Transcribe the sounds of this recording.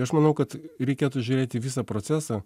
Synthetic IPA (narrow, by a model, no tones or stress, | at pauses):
ɐʃmɐnɐʊkɐt̪ɾʲɛɪkʲeːt̪uːʒʲuːɾʲeːt̪ʲɪʋʲɪsɑːpɾoːt̪sʲæːsɑː